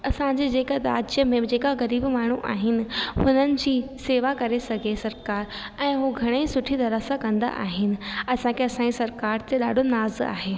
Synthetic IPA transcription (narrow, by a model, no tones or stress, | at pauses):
ɐsãɲd͡ʑed͡ʑeːkad̪aːd͡ʑjəmẽd͡ʑeːkaɣɐɾiːbmaːɳ̤uʔa̰ːɦɪnɪ̆hʊnənɪ̆d͡ʑiːseːʋakɐɾesɐɡʱesɐɾkaːɾ | ɛ̃ːɦuɡʱɐɽ̃eisʊʈʰit̪ɐɾəsakɐ̃nd̪a̰ʔa̰ːɦɪnɪ̆ɐsãkʰeɐsãːd͡ʑisɐɾkaːɾt̪eɗaːɖʱonaːza̰ːɦeː